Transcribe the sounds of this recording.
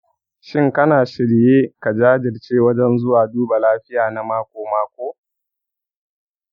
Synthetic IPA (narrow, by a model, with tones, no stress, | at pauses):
ʃɪ˦ŋkɐ˦naː˨ʃɪ˨ɽjeː˦ka˨d͡ʒaː˦d͡ʒɪ˨rt͡ʃeː˦wɐ˦d͡ʒɛ˦nzʊ˦waː˨duː˦ba˨laː˦ɸɪ˦jaː˨na˨maː˦kʷoː˨maː˦kʷoː˦